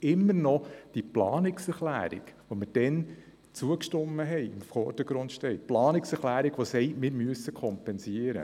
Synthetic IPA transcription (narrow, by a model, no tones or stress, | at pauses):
ɪmːəɾnɔd̥iplɑːnɪksɛɾχlæ̰ːɾḭɡʋomɪɾd̥ɛn | t͡suəkʃtʊmːəɦɛɪɪmfɔːrd̥əɡ̥ɾʊnt̪ʃtɛɪplɑːnɪksɛɾχlæːɾiɡ̥ʋosɛɪmɪːɾmyəsəkʰɔmpɛnsiəɾə̰